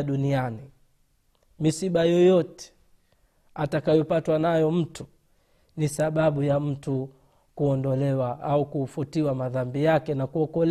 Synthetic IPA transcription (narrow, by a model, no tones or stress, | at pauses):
ɗuniani | misiɓajɔjɔtɛ̥ | atakajɔpatwanajɔm̩tu̥ | nisaɓaɓujam̩tu | kuɔndɔlɛwaaukufutiwamaðambijakɛnakuɔkɔl